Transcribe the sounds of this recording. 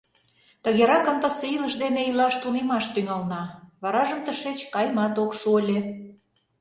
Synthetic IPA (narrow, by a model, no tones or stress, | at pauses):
t̪əɣeɾɑkənt̪əseiləʃd̪eneilɑʃt̪unemɑʃt̪yŋɑlnɑβɑɾɑʒəmt̪əʃet͡ɕkɑjmɑt̪okʃuəlʲe